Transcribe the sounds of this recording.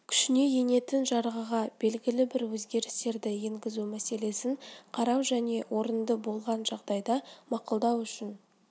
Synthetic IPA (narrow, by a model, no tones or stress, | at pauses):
kʲʰʏ̥ʃɪne̞je̞ne̞t̪ɪnʒɑɾʁəʁɑb̥e̞lɡʲɪlɪbɪɾwɵzɡʲe̞ɾɪst̪e̞ɾd̪ɪjeŋɡʲɪzumæse̞le̞sɪŋqʰɑɾɑwʒæne̞wʔo̞ɾənd̪əbo̞lˠʁɑnʒɑʁd̪ɑjd̪ɑmɑqʊlˠd̪ɑwʏʃɪn